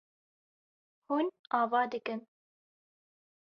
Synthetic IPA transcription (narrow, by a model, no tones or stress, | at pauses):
huːnɑːvɑːd̪ɨkɨn